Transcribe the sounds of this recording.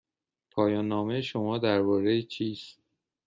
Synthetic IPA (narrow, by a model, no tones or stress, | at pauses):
pʰɒːjɒːnːɒːmejeʃo̞mɒːd̪æɾbɒːɾejet͡ʃʰiːst̪̚